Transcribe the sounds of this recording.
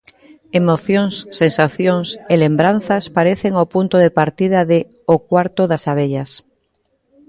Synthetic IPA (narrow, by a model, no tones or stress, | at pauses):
emoθjõŋsːensaθjoŋselembɾan̟θaspaɾeθeŋopunt̪oðepaɾt̪ið̞aðe | okwaɾt̪oðasaβ̞eʎas